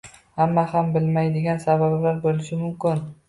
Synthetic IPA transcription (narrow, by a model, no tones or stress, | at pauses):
hamːahambɪlmajd̪ɪɡʲansabablaɾbolɪʃɪmʊmkʲɪn